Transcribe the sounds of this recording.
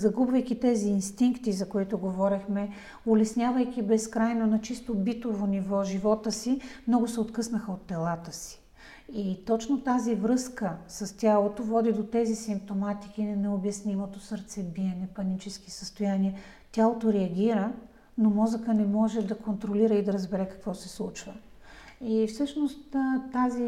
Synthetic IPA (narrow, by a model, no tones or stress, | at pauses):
zɐɡubvɐjkʲit̪ɛziːnst̪iŋkt̪izɐkoit̪ʊɡovɔɾixmɛ | olɛsnʲjavəjk̟ʲibɛskɾajnonɐt͡ʃist̪obit̪ovonivɔʒivɔt̪əsimnɔɡʊsɛot̪kɤsnəxəot̪ːɛlˠat̪əsi̥ | it̪ɔt͡ʃnot̪azivɾɤskəsɐst̪ʲalˠot̪ovɔd̪id̪ot̪ɛzisimp̚t̪omat̪i̥k̟inɐnɛobjɐsnimot̪osəɾt̪sɛbiɛnɛpɐnit͡ʃɛski̥səst̪ojaniɛ | t̪ʲjalˠot̪oɾɛɐɡʲiɾə | nomɔzəkənɛmɔʒɛd̪ɐkont̪ɾoliɾəid̪ɐɾəzbɛɾɛkɐ̥kvɔsɛslˠut͡ʃvə | ifsɤʃnost̪t̪azi